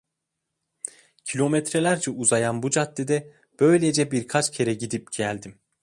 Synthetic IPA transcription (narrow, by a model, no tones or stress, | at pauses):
cʰilʲo̞met̪ʰɾelʲæɾd͡ʒɛuzajanbud͡ʒat̪ːed̪ɛ | b̥ø̞jlʲed͡ʒɛbiɾkʰat͡ʃcʰe̞ɾɛɟid̪ip̚ɟ̥ælʲd̪im